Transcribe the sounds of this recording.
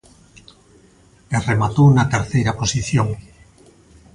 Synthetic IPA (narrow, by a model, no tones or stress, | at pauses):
eremat̪onat̪eɾθejɾaposiθjoŋ